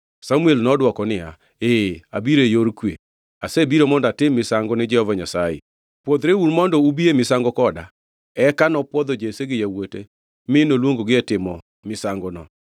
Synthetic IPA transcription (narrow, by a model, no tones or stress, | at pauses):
samuelnɔdwɔkɔnɪa | ea̰biɾejoɾkwḛ | asebiɾomɔndatɪmːɪsaŋɡɔnɪd͡ʒɛhɔvaɲasajḛ | pwod̪ɾeuɾmɔndɔubiemɪsaŋɡɔkɔda | ɛkanɔpwɔd̪ɔd͡ʒeseɡɪjawote | mɪnolwoŋɡoɡɪɛtɪmɔ | mɪsaŋɡɔnɔ̰